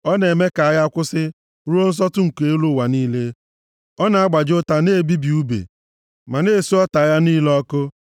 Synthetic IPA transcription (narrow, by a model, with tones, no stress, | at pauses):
ɔ˦ne˨me˦ka˨a˦ja˦a˦kʷʊ˦sɪ˦ | ɾu˦o˦n̩˦s̬ɔ˦tʊ˦ŋ̩˨ke˦lu˦˨wa˨niː˦le˦ | ɔ˦na˨a˦ɡ͡ba˨d͡ʒʊ˦ta˨ne˦˨bi˦bi˨u˦bḛ˨ | ma˨ne˦˨su˦ɔ˦ta˨ja˦niː˦lɔ˦kʊ˦